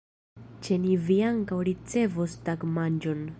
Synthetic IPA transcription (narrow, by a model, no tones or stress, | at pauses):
t͡ʃe̞niviaŋkawɾit͡se̞vostaɡmand͡ʒo̞n